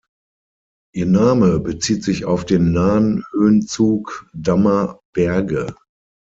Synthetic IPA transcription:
ʔiːɐnaːməbət͡siːtz̥ɪçaʊfd̥eːnːaːnhøːnt͡suːkdamɐb̥ɛɐɡə

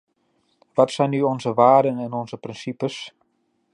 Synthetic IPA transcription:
ʋɔtsɛjnːyɔnzəʋaːdənɛnɔnzəprɪnsipəs

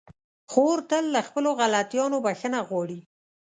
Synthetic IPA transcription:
xoɾt̪əlːaxpəloɣalat̪jɑnobaxənaɣwɑɽi

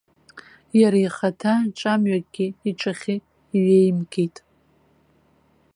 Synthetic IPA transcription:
jaɾajχatʰaʈ͡ʂʼamɥakʼɡʲɪiʈ͡ʂʼaχʲɪ | iɥejmɡejtʼ

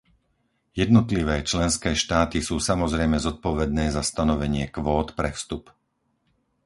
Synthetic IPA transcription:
jɛd̪nɔt̪liʋɛːt͡ʃlɛnskɛːʃt̪aːt̪isuːsamɔzɾɛjmɛzɔt̪̚pɔʋɛd̪nɛːzast̪anɔʋɛɲɪɛkʋɔːt̪pɾɛfst̪up

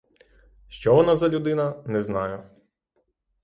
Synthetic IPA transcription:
ʃt͡ʃɔʋɔnɑzɐlʲud̪ɪnɐnɛznɑjʊ

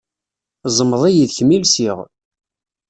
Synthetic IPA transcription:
zˤəmːəðˤijiðçmilsiʁ

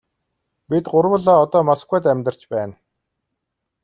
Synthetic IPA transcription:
pit̪ɢʊɾwə̆ɮɔːɔt̪ɔːmas̆kwæːt̪æmʲt̪ə̆r̥t͡ɕpæːn

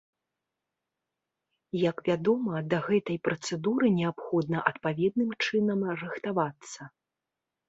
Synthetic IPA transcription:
jɐkvʲad̪ɔmɐd̪ɐɣɛt̪ɐjpɾɐt̪sɛd̪uɾɨnʲɛapxɔd̪nɐʔɐt̪pavʲɛd̪̚nɨmt͡ʂɨnɐmrɨxt̪avat̪sːɐ

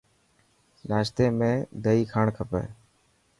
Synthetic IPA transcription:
naːʃt̪eːmẽːd̪əiːkʰaːɳkʰəpḛː

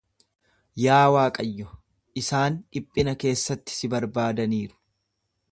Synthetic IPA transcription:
jaːwaːkʼɐjːɔ | ʔɪsaːnᶑɪpʼːɪnɐke̞ːsːɐt̪ːɪ̥sɪbɐɾbaːd̪ɐniːɾʊ̥

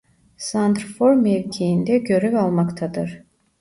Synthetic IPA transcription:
sand̪ɾfoɾmɛvcʲʰijind̪ɛɟø̞ɾɛvalˠmakt̪ʰad̪ɯɾ̥

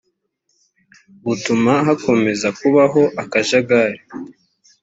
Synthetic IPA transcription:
βutumaɦako̞me̞zakuβaɦo̞ʔakaʒaɡaɾi

